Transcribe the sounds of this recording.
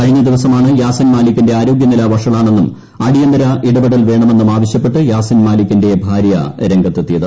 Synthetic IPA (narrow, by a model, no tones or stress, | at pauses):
kɐɻiɲːɐd̪iʋɐsɐmaːɳɨjaːsɐnmaːlikʲːinde̞aːɾo̞ːɡjɐnilɐʋɐʂɐɭaːɳe̞nːum | ɐɽijɐnd̪ɐɾɐʔiɽɐbiɽɐlʋe̞ːɳɐme̞nːumaːʋɐɕjɐpːe̞ʈːɨjaːsɐnmaːlikʲːinde̞bʱaːɾjɐ̰ɾe̞ŋɡʱɐt̪ːet̪ːijɐðɨ